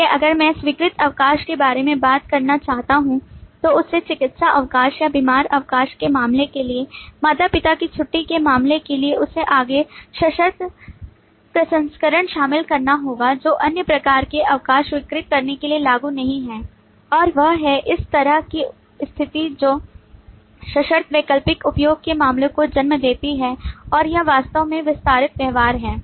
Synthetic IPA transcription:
eʔɐɡəɾmɛ̃ːsʋiːkɾɪt̪ɐʋkaːʃkebaːɾemẽbaːt̪kɐɾnat͡ʃaːɦt̪aɦũt̪oʊsːet͡ʃɪkɪt̪saʔɐʋkaːʃjabimaːɾɐʋkaːʃkemaːmlekeliemaːt̪apɪt̪akit͡ʃʰʊʈːikemaːmlekelieʊsːeʔaːɡeʃɐʃəɾt̪ | pɾɐsə̃nskəɾəɽ̃ʃaːmɪlkɐɾnaɦoːɡad͡ʒoːʔɐnjəpɾɐkaːɾkeʔɐʋkaːʃʋɪkɾɪt̪̚kɐɾnekelielaːɡunɐɦĩɦɛː | ɔːɾʋɐɦɦɛʔɪst̪ɐɾəɦki | st̪ʰɪt̪id͡ʒoː | ʃɐʃəɾt̪ʰʋeːkəlpɪkʊpjoːɡ̚kemaːmlõkod͡ʒɐnməd̪eːt̪iɦɛːɔːɾjɐʋaːst̪əõmẽʋɪst̪aːɾɪt̪̚ʋɛɦʋaːɾɦɛː

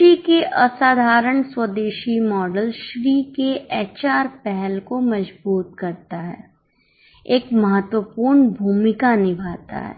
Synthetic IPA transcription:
ʃiːkeʔʔɐsaːd̪ʱaːɾəɳswəd̪eːʃimɔːɖəlʃʋikeʔɛːt͡ʃaːɾpɛɦɛlkomɐd͡ʒbuːt̪̚kɐɾt̪aɦɛ̰ː | eːkmɐɦət̪wəpuːɾɳbʱuːmɪkanɪbʱaːt̪a̰ɦɛ̰ː

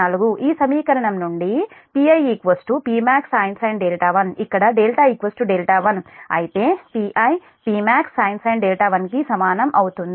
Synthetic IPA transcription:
ɐluɡuʔiːsɐmiːkɐɾɐɳɐmnuɳɖipiɐjikʋɐsʈupiːmaːksaːjnsɐjɳɖeːlʈaːʋɐnikːɐɽɐɖeːlʈaːikʋɐsʈuɖeːlʈaːʋɐnɐ̰jit̪e̞ːpiːʔɐj | piːmaːksːaːjnsɐjɳɖeːlʈaːʋɐnkisɐmaːnɐmʔɐwut̪und̪

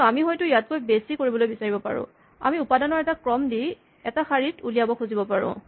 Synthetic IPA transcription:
amixɔjtʊjat̚kojbesikoɹibɔlojbisaɹibɔpa̰ɹʊ̰̃ | a̰miupadɔnɔɹɛtakɹɔmdi | ɛtaxaɹitulijabɔkʰuzibɔpaɹʊ̰̃

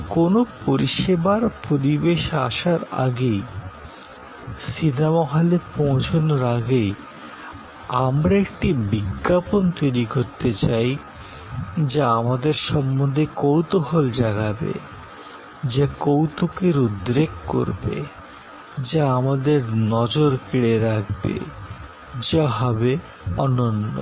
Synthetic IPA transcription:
konopoɾiʃebaɾpoɾibeʃa̰ʃaɾa̰ɡej | sinamɔɦalepɔ̃w̃t͡ɕʰonoɾaɡej | a̰mɾaekʈibiɡːapont̪ojɾikoɾt̪et͡ɕaj | d͡ʑaamad̪eɾʃɔmːond̪ʱekowt̪oɦold͡ʑaɡabḛ | d͡ʑakowt̪okeɾud̪ɾekko̰ɾbḛ | d͡ʑaamad̪eɾnɔd͡ʑoɾkiɽeɾakbḛ | d͡ʑaɦɔbe | ɔnonːo̰

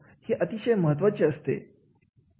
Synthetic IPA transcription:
heʔət̪iʃəjməɦət̪̬ʋət͡ʃeəst̪ḛ

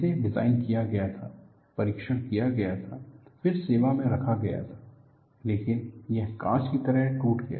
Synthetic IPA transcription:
eɖɪza̰ːɪnkijaɡɐjat̪ʰaː | pɐɾiːkʃəɽ̃kijaɡɐjat̪ʰafɪɾseːʋamẽɾɐkʰaɡɐja̰t̪ʰḁː | leːkɪnjɐɦkãːt͡ʃkit̪ɐɾəɦʈuːʈɡɐja̰

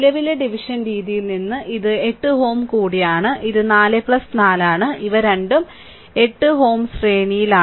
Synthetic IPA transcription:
lɐʋileɖiʋiʂɐnɾiːðijilninːɨʔiðɨe̞ʈːɨɦo̞ːmkuːɽijaːɳɨʔiðɨnaːlɨplɐsnaːlaːɳɨʔiʋɐɾeɳɖum | e̞ʈːɨɦo̞ːmsreːnijilaː

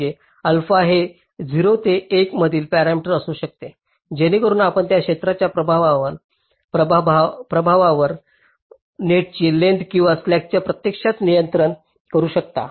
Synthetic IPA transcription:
e | əlfaɦe | d͡ziɾot̪eːkməd̪ʱiːlpæɾamiʈəɾəsuːɕək̚t̪e | d͡ʑeñikəɾuːnapəɳt̪jakɕet̪ɾat͡ɕjapɾəbʱaʋaʋəɾ | bpɾəbʱaʋaʋəɾ | neʈ̚t͡ɕiːleɳɖkĩw̃ʋaslæk̚t͡ɕjapɾət̪jekʂat̪nijənt̪ɾəɳ | kəɾuːɕək̚t̪a̰

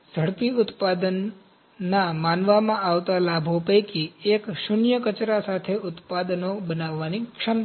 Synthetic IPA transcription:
d͡ʒʱəɽpiʊt̪pad̪ənː | amanʋamãaʋt̪alabʱopəjkiekʃʊnjəkət͡ʃɾasat̪ʰeʊt̪pad̪nobənaʋːanikʃəm

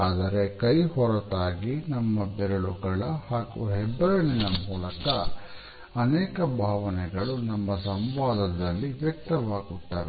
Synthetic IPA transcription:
aːd̪ɐɾe̞kɐjhɔɾɐt̪aːɡinɐmːɐbɛɾɐɭuɡɐɭɐhaːkṵɦɛbːɐɾɐɳinɐmuːlɐkɐ | ɐnɛːkɐbʱaːʋɐnɛɡɐɭunɐmːɐsɐmʋaːd̪ɐd̪ɐlːiʋjɐk̚t̪ɐʋaːɡuʈːaːʋe

